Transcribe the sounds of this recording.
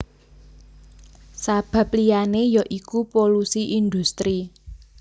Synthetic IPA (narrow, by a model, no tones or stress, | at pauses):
sab̥ä̤p̚lianejɔʔikupolusiʔind̪ust̪ɾi